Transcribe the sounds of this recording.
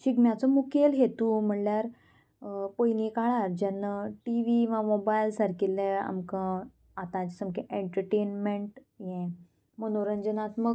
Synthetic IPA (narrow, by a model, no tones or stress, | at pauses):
ɕiɡmjat͡səmukelɦet̪uːm̤əɳljaɾ | pojnikaɭaɾd͡ʑɛnːəʈiʋiʋãmobajlsaɾkilːẽa̰mkə̃ | at̪ãd͡ʑisəmkeʔeɳʈəɾʈenmeɳʈ | jɛ̃ | mənoɾəɲd͡ʑənat̪mə